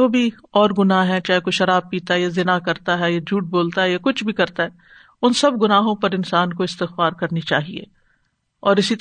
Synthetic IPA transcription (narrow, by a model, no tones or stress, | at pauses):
oːbʱi | ɔːɾɡʊnaɦɛt͡ʃaːɦekoʃɐɾaːb̚piːt̪aɦɛjazɪnakɐɾt̪aɦɛjad͡ʒʱuːʈ̚boːlt̪aɦɛjakʊt͡ʃʰbʱikɐɾt̪aɦɛ | ʊnsɐbɡʊnaːɦõpɐɾɪnsaːnkoɪst̪ɪxfaːɾkɐɾnit͡ʃaːɦiḛː | ɔːɾɪsit̪